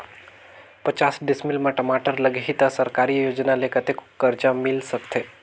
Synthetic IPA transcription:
pət͡ʃaːsɖɪsmɪlmãʈəmaːʈəɾləɡʱɦit̪asəɾkaːɾijoːd͡ʒnalekɐt̪ekkəɾd͡ʒamɪlsəkt̪ʰeː

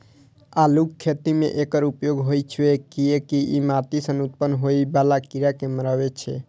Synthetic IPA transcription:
alukkʰːet̪imḛʔekəɾupjoɡɦojt͡ʃʰwekiekiʔimat̪isənut̪pənːɦojbalakiɾakeməɾəbet͡ʃʰɛ̰

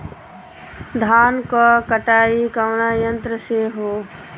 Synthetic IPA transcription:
d̪ʱaːnkakəʈaːikəʋnaːjənt̪ɾəseɦoː

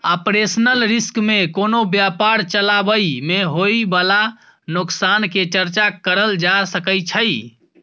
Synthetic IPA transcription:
əpɾesnəlɾiskmekonobjapaɾt͡ʃəlabəjmeɦojbala | nuksanket͡ʃəɾt͡ʃakəɾəld͡ʒasəkəjt͡ʃʰəj

